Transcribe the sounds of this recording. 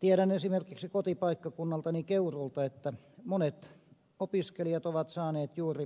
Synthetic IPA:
t̪iæɾænesimerkiksikot̪ipɑikːɑkunːɑlt̪ɑnikeurult̪ɑet̪ːæ | monet̪ | opiskelijɑt̪oʋɑt̪sɑːneːt̪juːri

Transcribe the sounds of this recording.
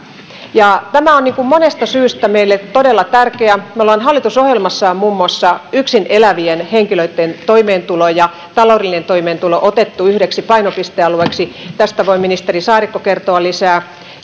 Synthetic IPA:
jɑt̪æmæonniːŋkummonest̪ɑsyːst̪æmeilːett̪odelːɑt̪ærkeæmæolɑːnɦɑlːit̪usohjelmɑsːɑːmmuːmːuɑsːɑyksinelæʋienheŋkiløit̪ːent̪oimeːnt̪ulojɑ | t̪ɑloːdelːinent̪oimeːnt̪uloʔot̪et̪ːuyhɾeksipɑinopist̪eɑlueksit̪æst̪æʋoiminist̪erisɑːɾikːokert̪oɑlisæː

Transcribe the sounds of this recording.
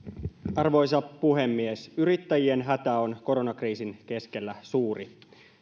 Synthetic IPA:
ɑrʋo̞js̬ɑpːuɦe̞mːiesyɾit̪ːæjie̞nɦæt̪æo̞nko̞ɾo̞nɑkriːsinke̞ske̞lːæsuːri

